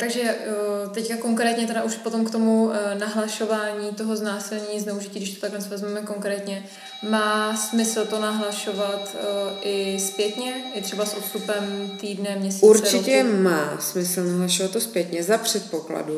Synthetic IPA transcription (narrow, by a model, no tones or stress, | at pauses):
t̪aɡʒɛt̪ɛckako̞ŋkɾɛːt̪ɲɛt̪ɛɾaʔuʃpo̞t̪o̞mkt̪omunaɦlaʃo̞vaːɲiːt̪o̞ɦo̞znaːsɪlɲɲːznɛuʒiciːɡdɪʃt̪ot̪aklɛnt͡svɛzmaːmɛko̞ŋkɾɛːt̪ɲɛ | maːsmɪsl̩t̪o̞naɦlaʃo̞vat̪ʔɪspjɛt̪ɲɛɪt̪r̥ɛbasʔot̪st̪upɛmt̪iːdnɛmɲɛsiuɾt͡ʃɪcɛmaːsmɪsl̩naɦlaʃovat̪ːospjɛt̪ɲɛzapr̝̥ɛt̪̚pokla̰du